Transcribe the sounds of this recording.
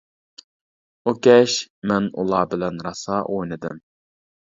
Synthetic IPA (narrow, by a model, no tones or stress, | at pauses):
ukʲɛʃmɛnṵlˠɑːbɪlɛnɾɑsɑʔojnɨd̪ɨm